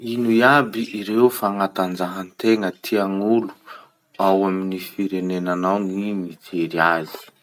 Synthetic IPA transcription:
inujabiʔiɾewfaŋat̪and͡zaɦant̪eŋət̪ʰiaŋulu̥ | awaminifiɾenenanawŋimit͡seɾiazi̥

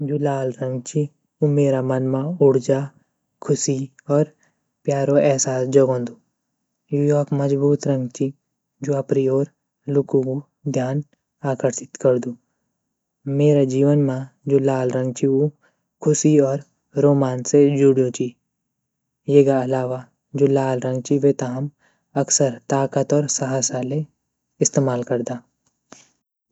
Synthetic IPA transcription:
d͡ʒoːlaːlɾə̃ŋɡt͡ʃʰi | umeːɾamənmãʊɽd͡ʒa | kʰʊsi | ɔːɾ | pjaːɾoɛːsaːsd͡ʒəɡõːnd̪uː | juːjɔːkməzbuːt̪ɾə̃ŋɡt͡ʃʰi | d͡ʒoːɐpɾioːɾ | lʊkũku | d̪ʱjaːn | aːkəɾʃɪt̪kəɾd̪uː | meːɾad͡ʒiːʋənmãd͡ʒoːlaːlɾə̃ŋɡt͡ʃiu | kʰʊsiɔːɾ | ɾoːmaːnsed͡ʒuːɽjõt͡ʃi | jeːɡaɐlaːʋa | d͡ʒoːlaːlɾə̃ŋɡ̚t͡ʃiʋet̪aɦəm | ɐksəɾt̪aːkət̪ɔːɾsɐɦasale | ɪst̪eːmaːlkəɾd̪aː

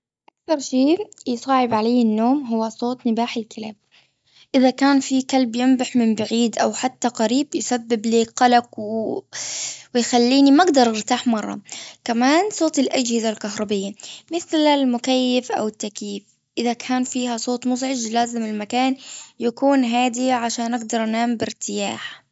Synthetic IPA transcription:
ʔakθɑɾˤʃiːjsˤɑːʕɪbʕalaːɪnːoːmɦʊwːasˤoːt̪ˤnɪbaːħɪlkʰɪlaːb̚ | ʔɪðakaːnfikalbjɪmbaħmɪmbaʕiːd̪ʔawħat̪ːaqaɾiːbjɪsabːɪbleːkqɑlaqw | wɪjxalːiːnimaɡd̪ɑɾˤɪɾt̪aːħmɑrˤːɑ̰kamaːnsˤoːt̪ɪlʔad͡ʒhɪzalkaɦɾˤɑbɪjːamɪθlalmʊkajːɪfʔa̰wɪt̪ːakjiːf | ʔɪðakʰaːnfiːɦasˤoːt̪ˤmʊzʕɪd͡ʒlaːzɪmɪlmakaːnjakuːnɦaːd̪iʕaʃaːnʔaɡd̪ɑɾˤʔanaːmbɪɾt̪ɪja̰ːħ

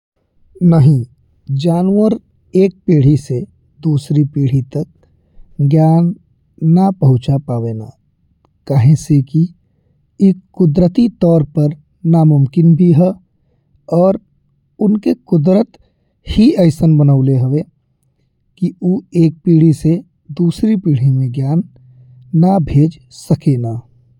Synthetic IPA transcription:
nəɦĩ | d͡ʒaːnwəɾ | eːk̚piːɽ̤ise | d̪uːsɾipiːɽ̤it̪ək̚ | ɡjaːnː | apəɦʊ̃t͡ʃapaːʋena̰ | kaɦẽseki | ekːʊd̪ɾət̪it̪ɔːɾpəɾ | namʊmkɪnbʱiɦɛ | ɔːɾ | ʊnkekʊd̪ɾət̪ | hiəɪsənbənaʊleɦɛʋe | kiuːeːk̚piːɽ̤ise | d̪uːsɾipiːɽ̤imẽɡjaːnː | abʱeːd͡ʒ | səkenaː

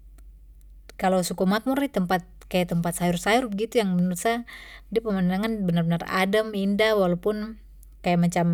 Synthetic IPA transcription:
kalawsukumak̚muɾit̪əmpat̪̚kajat̪əmpat̪̚sajʊrsajʊrbəɡit̪ujaŋmənərusadiapəmandaŋanbənarbənara̰dəmindawalawpʊn | kajaʔmat͡ʃam

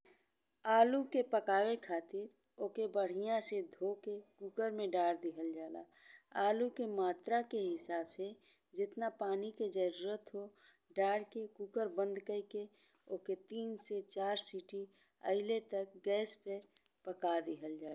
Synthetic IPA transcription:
aːlukepəkaːwekʰaːt̪ɪɾ | oːkebəɽ̤ijãsed̪ʱokekuːkəɾmẽɖaːɽd̪ɪɦəld͡ʒaːla̰ː | aːlukemaːt̪ɾakeɦɪsaːbse | d͡ʒɪt̪napaːniked͡ʒəɾuːɾət̪ɦo | ɖaːɽkekuːkəɾbə̃nd̪kəike | oːket̪iːnset͡ʃaːɾsiːʈi | ə̰ɪlet̪ək̚ɡɛːspe | pəkad̪ɪɦəld͡ʒaː

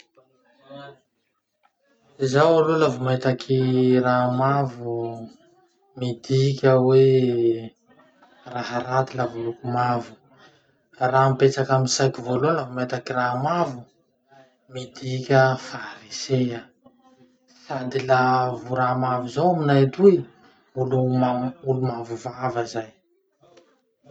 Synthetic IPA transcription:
zawalolavumait̪akʰiramavu | mid̪ikʲəwe | raɦaɾat̪ilavulukumavu̥ | ramipet͡ʃakaminsajt̪ivololaumet̪akiramavu | mid̪ikʲəfaɾiseə | sad̪ilavuɾamavuzowaminajt̪uj | muluaulumavuvavəzaj

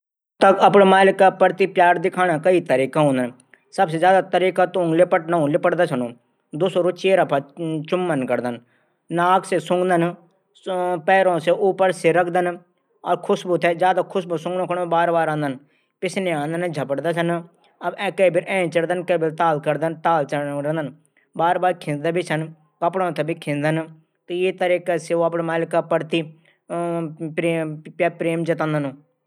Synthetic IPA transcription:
t̪əkəpɳemaːlɪkːapəɾt̪ipjaːɾd̪ɪkʰaːnaːkəit̪əɾiːkãɦõːnd̪ən | səbsed͡ʒjaːd̪aːt̪əɾiːkaːt̪oːŋɡlɪpəʈnaũːlɪpəʈd̪aːsʰənõː | d̪ʊsoːɾot͡ʃeːɾapʰat͡ʃʊmːənkəɾd̪ən | naːksesʊ̃ŋɡd̪ən | pɛːɾõːseʔuːpəɾseɾəkʰd̪ən | ɔːɾkʰʊsbut̪ɛːd͡ʒjaːd̪aːkʰʊsbusʊ̃ŋɡnõːkʰɽõbaːɾbaːɾãːnd̪ən | pɪt͡ʃʰneːãːnd̪ənd͡ʒʱəpəɽd̪aːs̬ən | əbɛ̃ːkəbɪɾɛ̃ːt͡ʃəɽd̪ənkəbɪɾt̪aːlkəɾd̪ənt̪aːlt͡ʃəɾɛ̃nd̪ən | baːɾbaːɾkʰɪ̃nd̪abʱiːsən | kəpɽõːt̪ʰɛːbʱiːkʰɪ̃nd̪ən | k̪əeːt̪əɾeːkaːseoːəpɽmaːlɪkːaːpəɽt̪iː | eːpɾeːmd͡ʒət̪ãːnd̪ənː

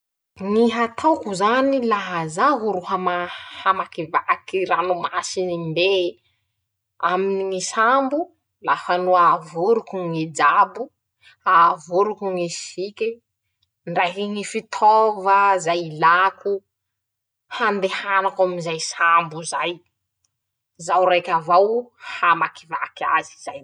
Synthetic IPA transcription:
ŋiɦat̪ʰawkuzanilaɦazaɦuɾuhamahamakivakiranumasinimbe | aminiŋisambu | lafanuavuɾukuŋed͡ʒabu | avuɾukuŋisikʲi | nɖ͡ʐrajkiŋifit̪ʰɔvəzajlakʰu | hand̪ehanakaminzajsambuzaj | zawrajkʲavawhamakivakaziz̥aj

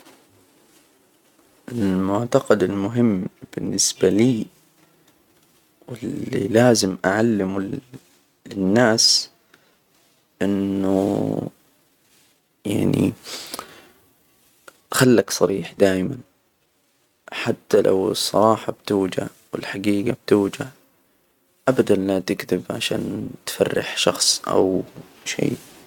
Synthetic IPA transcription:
ɪlmʊʕt̪ɑqɑd̪ɪlmʊɦɪmːb̥ɪnːɪsbaliː | wɪlːḭlaːzɪmʔaʕalːɪmu | ɪnːaːs | ʔɪnːṵ | ja̰ʕnḭ | xalːaksˤɑɾiːħd̪aːjman | ħat̪ːalʔa̰wsˤːɑ̰ɾˤɑːħɑbt̪uːd͡ʒa̰ | wɪlħaɡiːɡab̚t̪uːd͡ʒa | ʔabad̪anlat̪ɪɡt̪ɪbʕaʃa̰ːnt̪fa̰rːɪ̰ħʃɑxsˤʔa̰w | ʃḛː

